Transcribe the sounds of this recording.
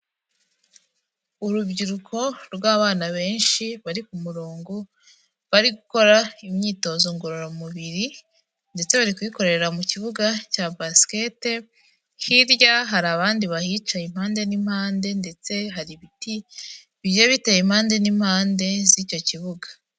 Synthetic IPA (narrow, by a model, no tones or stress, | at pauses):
uɾubɟiɾukʰo̞ɾɡwaːβaːnaβe̞ːnʃiβaɾikumuɾoːŋɡo | βaɾiɡuko̞ɾaimɲiːto̞ːzoŋɡoɾoɾamuβiɾi | nde̞t͡se̞βaɾikuiko̞ɾe̞ɾeɾamuciβuɡacaːbaske̞te̞ | hiɾɟaɦaɾaβaːndiβahit͡ʃaimhaːnde̞nim̥haːnde̞nde̞t͡se̞ɦaɾiβiti | βijaβitejim̥haːnde̞nim̥haːnde̞zico̞ciβuɡa